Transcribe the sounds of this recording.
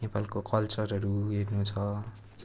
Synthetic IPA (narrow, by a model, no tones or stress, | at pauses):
epalkokʌlt͡sʌrʌɾuɦernut͡sʰʌ